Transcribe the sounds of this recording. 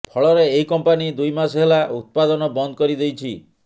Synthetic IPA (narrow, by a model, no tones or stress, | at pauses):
pʰɔɭɔɾeːɦikɔmpanid̪ujmasɔɦelaut̪̚pad̪ɔnɔbɔnd̪ɔkɔɾid̪ejt͡ʃʰi